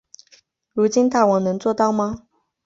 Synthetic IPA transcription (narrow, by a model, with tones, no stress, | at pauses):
ɻu˧˥t͡ɕi˥nt̪a˥˩wɑ˨˩ŋnɤ˧˥ŋt͡swɔ˥˧t̪ɑ˥˩ʊma˧